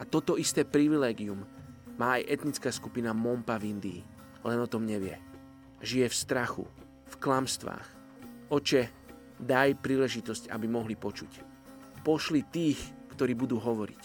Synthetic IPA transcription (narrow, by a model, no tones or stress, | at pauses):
at̪ɔt̪ɔist̪ɛːpɾiʋilɛːɡiummaːajʔɛt̪nit͡skaːskupinamɔmpavind̪iː | lɛnɔt̪ɔmɲɛʋɪɛ̰ | ʒijɛfst̪ɾaxṵ | fklamst̪ʋa̰ːx | ʔɔt͡ʃɛ | d̪ajpɾiːlɛʒit̪ɔsca̰bimɔɦlipɔt͡ʃuc | pɔʃlit̪iːxkt̪ɔɾiːbud̪uːɦɔʋɔɾḭc